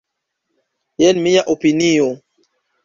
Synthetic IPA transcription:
jɛnmĩjaʔopinijo

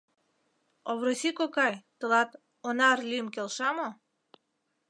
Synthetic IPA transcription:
oβɾosikokɑjt̪əlɑt̪ | onɑrlʲimkelʃɑmo

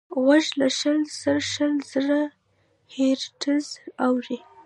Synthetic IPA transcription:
waʒlaʃəlz̥əɾʃəlz̥əɾa | heɾʈʰəzawɾi

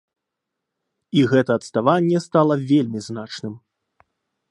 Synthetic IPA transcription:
iɣɛt̪ɐːt̪st̪avanʲːɛst̪alˠɐvʲelʲmʲiznat͡ʂnɨm

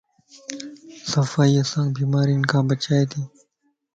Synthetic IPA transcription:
sɐfaːiːɐsãːkbiːmaːɾinkãːbɐt͡ʃaːet̪ʰiː

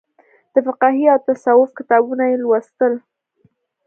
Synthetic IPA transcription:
d̪̥əfɪqɑɦiawt̪asawʊfkɪt̪ɑbunajelwast̪əl

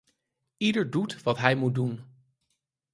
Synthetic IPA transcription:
idəɹdutʋɑtɦɛjmud̚dun

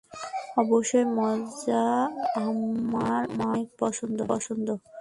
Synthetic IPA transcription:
ɔboʃːojmɔd͡ʑa | aɾmak̚pɔʃʰond̪opɔʃond̪o

